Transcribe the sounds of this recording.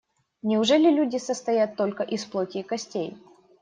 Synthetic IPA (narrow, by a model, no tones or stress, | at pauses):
nʲɪʊʐɛlʲɪlʲudʲɪsəst̪ɐjat̪ːo̞lʲkəʔisplˠotʲɪkɐsʲtʲḛj